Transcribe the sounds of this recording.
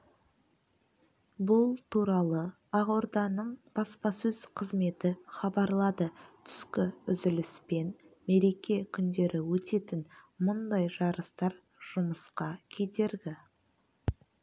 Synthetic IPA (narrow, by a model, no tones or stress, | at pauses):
bʊlˠt̪ʰuɾɑlˠə | ɑʁoɾd̪ɑnəɴb̥ɑspɑsɵzqʰəzme̞t̪ɪχɑbɑɾlˠɑd̪ət̪ʰʏ̥skʲɪʏzɪlɪspe̞n | me̞ɾe̞kʲe̞kʲʰʏnd̪e̞ɾɪwɵt̪e̞t̪ɪnmʊnd̪ɑjʒɑɾəst̪ɑɾ | ʒ̥ʊməsqɑkʲʰed̪e̞ɾɡʲɪ